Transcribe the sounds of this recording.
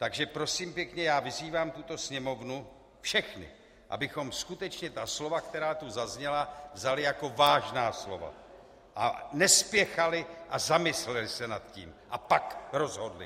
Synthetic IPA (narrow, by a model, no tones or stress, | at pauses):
t̪aɡʒɛpɾo̞siːmpjɛkɲɛjaːvɪziːvaːmt̪ut̪o̞sɲɛmo̞vnu | fʃɛxnɪ̰ | ʔa̰bɪxo̞mskut̪ɛt͡ʃɲɛt̪aslo̞vakt̪ɛɾaːt̪uzazɲɛlavzalɪjako̞vaːʒnaːslo̞̰va̰ | ʔa̰nɛspjɛxalɪʔazamɪslɛlɪsɛnat̪cḭːmʔapakɾo̞zɦo̞dlɪ̰